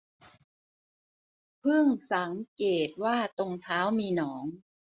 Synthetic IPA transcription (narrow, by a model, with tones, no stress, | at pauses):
pʰɯ˥˩ŋsa˩˦ŋkeː˨˩t̪̚waː˥˩t̪o˧ŋt̪ʰaː˦˥wmiː˧nɔː˩˦ŋ